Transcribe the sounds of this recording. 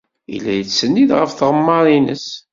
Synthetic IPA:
ḭlːæjət͡sːsːənːiðʁəfθʁəmːɑɾˤinə̰s

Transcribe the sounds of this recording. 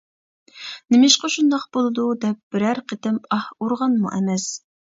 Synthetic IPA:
nɪmɪʃqɑʃund̪ɑqb̥olˠɨd̪ud̪ɛp̚bɪɾæɾqʰət̪ɪmɑhuɾʁɑnmṵʔɛmɛs

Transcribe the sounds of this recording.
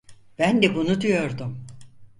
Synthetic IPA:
b̥ænd̪ɛbunud̪yjo̞ɾd̪um

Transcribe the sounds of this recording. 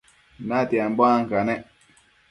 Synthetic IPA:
natiambɔaŋ̩kanɛ

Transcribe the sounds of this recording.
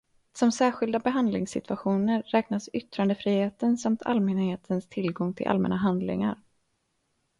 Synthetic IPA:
sɔmsæːɾɧɪld̪abɛɦand̪lɪŋsɪ̰t̪ʰvaɧuːnəɾːɛːknasʏt̪ːɾand̪əfɾiːheːt̪ənsamt̪ʰa̰lmɛnheːt̪ʰənst̪ʰɪlɡɔŋt̪ʰɪlʔa̰lmɛ̰naɦand̪lɪ̰ŋa̰ɾ

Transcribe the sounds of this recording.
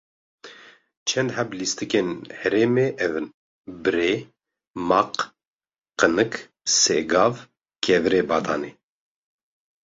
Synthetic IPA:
t͡ʃʰɛnd̪hɛblist̪ɨkenhɛɾeːmeːʔɛvn | bɨɾeː | mɑq | qənɨk | seɡɑːv | kʰɛvɨɾeːbɑːt̪ɑ̰ːneː

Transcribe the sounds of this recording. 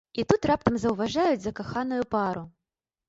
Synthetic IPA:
it̪ut̪rap̚t̪ɐmzɐwvaʐajud͡zʲzɐkaxanujupaɾu

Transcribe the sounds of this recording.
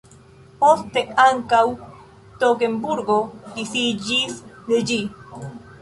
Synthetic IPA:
post̪eaŋkaw | t̪okembuɾɡod̪iθid͡ʒisd̪eʎi

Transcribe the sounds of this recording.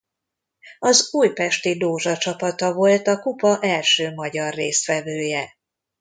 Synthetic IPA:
ɒzuːjpɛʃt̪id̪oːʒɒt͡ʃɒpɒt̪ɒvo̞lt̪ɒkupɒʔɛlʃøːmɒɟɒrːeːst̪ʋɛvøːjɛ

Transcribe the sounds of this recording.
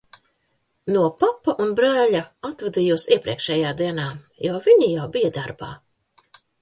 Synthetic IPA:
nuɔpapːaʔunbɾæːʎaat̪vɛd̪ijuːsiɛpɾiɛkʃɛːjaːd̪iɛnaː | javiɲijawbijad̪aɾba̰ː

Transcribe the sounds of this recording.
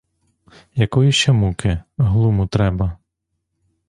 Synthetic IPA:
jɐkɔjiʃt͡ʃɛmukɪɦlˠumut̪ɾɛbɐ

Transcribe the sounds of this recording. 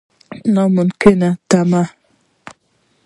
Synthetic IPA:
nɔmʊnkenatama

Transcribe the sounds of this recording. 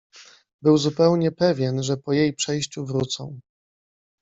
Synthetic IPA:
bɘwzupɛwɲɛpɛvʲjɛnʐɛpɔjejpʂɛjɕt͡ɕuvɾut̪sɔ̰̃w̃

